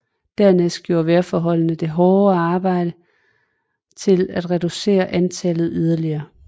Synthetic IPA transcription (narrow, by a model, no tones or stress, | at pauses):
d̥æɐnesd̥ɡ̥jo̝ːɐʋæɐfɒːɦɒ̽l̰nəd̥e̝ɦɒːɑ̈ːb̥ɑ̈ɪ̰ɾ̥ə | t͡sʰe̝læd̥ʁɛd̥use̝̰ːɐʔænt͡sʰælð̩ˠyð̞ˠɐliɐː